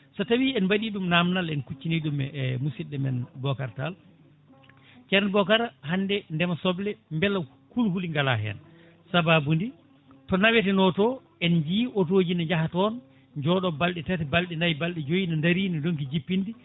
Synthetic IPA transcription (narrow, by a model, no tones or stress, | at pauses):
sɔtawiɛnbaɗiɗumnamnalɛnkut͡ʃːiniɗummusiɗːɛmɛ̰nbɔkaɾtal | t͡ʃɛɾnɛbɔkaɾahandɛndɛmasɔblɛmbɛla | kulhuliŋɡala̰ɦɛ̰n | sababundi | tɔnawɛtɛnɔtɔ | ɛnd͡ʒiːʔot̬oːd͡ʒinad͡ʒahatɔn | d͡ʒɔɗɔbalɗɛtatɛbalɗɛnajbalɗɛd͡ʒojinandaɾiːnidonkid͡ʒipːindi